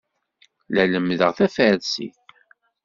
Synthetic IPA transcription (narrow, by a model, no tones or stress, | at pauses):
læləmðəʁθæfəɾsḭθ